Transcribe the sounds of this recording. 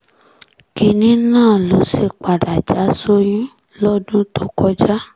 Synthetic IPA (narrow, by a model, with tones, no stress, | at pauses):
ki˧nĩ˨˦nãː˦˨lo˨˦ʃe˧k͡pa˨da˨d͡ʒa˨˦so˦jĩ˦ | lɔ˦dũ˦to˨˦kɔ˧d͡ʒa˦